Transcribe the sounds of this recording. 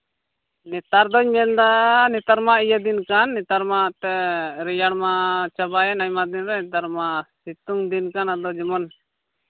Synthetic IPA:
nɛt̪aɾd̪ɔɲmɛnd̪anɛt̪aɾmaʔijad̪inkanːɛt̪aɾmaʔt̪ɛɾɛjaɽmat͡ʃabajɛnaɲmad̪inɾɛnɛt̪aɾmasit̪uŋd̪inkanad̪ɔd͡ʒimɔn

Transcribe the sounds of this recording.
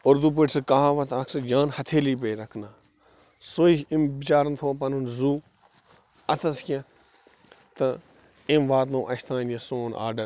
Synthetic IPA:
oɾd̪up̬əʈsɨkaɦãːʋɐt̪ʰaːksɨd͡ʒãːnhɐt̪ʰeːliːp̬eːɾɐkʰnaː | soːiimbit͡ʃaːɾɐnt̪ʰoːp̬ɐnunzuː | ɐt̪ʰɐskʲẽ | t̪ɐ | ẽmʋaːt̪nõːʔɐʃt̪ʰãːnjɐsoːna̰ːɖɐɾ

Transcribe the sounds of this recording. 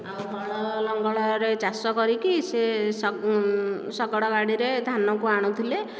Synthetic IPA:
awbʱɔɽɔlɔŋɡɔɭɔɾet͡ʃasɔkɔɾikises | sɔɡɔɽɔɡaɽiɾed̪ʱanɔkuaɽ̃ut̪ʰile

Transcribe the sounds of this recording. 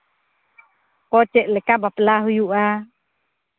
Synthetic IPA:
kɔt͡ʃɛʔlɛkabaplaɦujuʔa

